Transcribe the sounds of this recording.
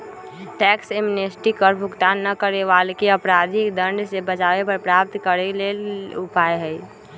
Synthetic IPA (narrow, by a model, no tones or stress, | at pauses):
ʈɛːksemnesʈikəɾbʱʊkt̪aːnːəkəɾeʋaːlkeəpɾaːd̪ʱikd̪ə̃ɳɖsebət͡ʃaːʋepəɾpɾaːp̚t̪kəɾeleːlʊpaːeɦɛi